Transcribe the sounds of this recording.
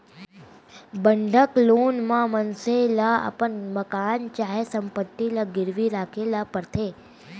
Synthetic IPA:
bəɳɖʱəklonmãmənselaa̰pəɳməkant͡ʃaɦesəmpət̪ːilaɡɪɾʋiɾakʰelapəɾt̪ʰe

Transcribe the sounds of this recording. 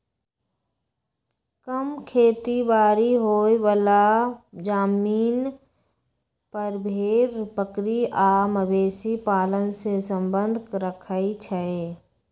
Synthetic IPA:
kəmkʰeːt̪ibaːɾiɦoːeʋəlad͡ʒaːmiːn | pəɾbʱeːɾpəkɾiaːməbeːsipaːlənsesə̃mbənd̪ʱkɾəkʰəit͡ʃʰəe

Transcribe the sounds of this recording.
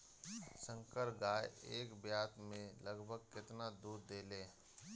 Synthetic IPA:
sə̃ŋkəɾɡaːeeːkbjaːt̪mẽləɡbʱəɡ̚kɪt̪nad̪uːɾd̪eːleː

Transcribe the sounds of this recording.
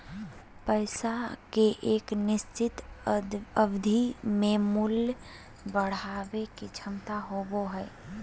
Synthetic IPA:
pəɪsakeʔeːknɪst͡ʃɪt̪ | əbd̪ʱimẽmul | bəɽ̤aːʋeket͡ʃʰəmt̪aɦoboɦɛɪ

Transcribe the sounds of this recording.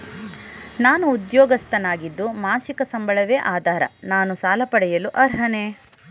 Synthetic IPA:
naːnuːd̪jɔːɡɐst̪ɐnaːɡid̪ːumaːsikɐsɐmbɐɭɐʋeːʔaːd̪ʱaːɾɐ̰naːnusaːlɐpɐɽɛjɐluʔɐɾɦɐne

